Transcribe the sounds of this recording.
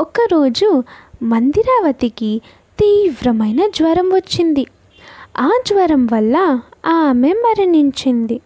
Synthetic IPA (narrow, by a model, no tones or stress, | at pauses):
ɔkɐɾo̞ːd͡ʒumɐnd̪iɾaːʋɐt̪iki | t̪iːʋɾɐmɐjnɐd͡ʒʋɐɾɐmʋɐt͡ʃːind̪i | aːd͡ʒʋɐɾɐmʋɐlːɐaːmembɐɾɐniɲt͡ʃind̪i